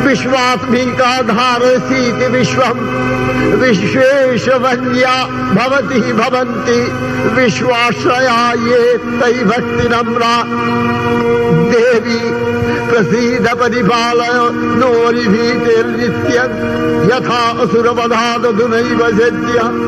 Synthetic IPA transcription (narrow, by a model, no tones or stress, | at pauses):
ʋiʃʋaːsmiːk̪aːd̪ʱaːɾɐsiːt̪iʋiʃʋɐm | ʋieːʃɐʋɐnjaː | bʱɐʋɐt̪ibʱɐʋɐnt̪i | ʋiʃʋaːʃɾɐjaːjeːt̪ɐjbʱɐk̚t̪inɐmɾaː | d̪eːʋi | pɾɐsiːd̪ʱɐpɐɾipaːlɐjo | noːɾib̪ʱiːt̪eːɾnit̪jɐ | jɐt̪ʰaːɐsuɾɐbɐd̪ʱaːd̪ɐd̪ʱunɐjʋɐd͡ʒɐt̪jɐ